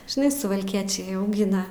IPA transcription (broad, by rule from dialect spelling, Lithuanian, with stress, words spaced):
ʒʲɪˈnɐɪ sʊʋɐlʲˈkʲiɛt͡ʃʲɛɪ ɐʊˈɡʲɪnɐ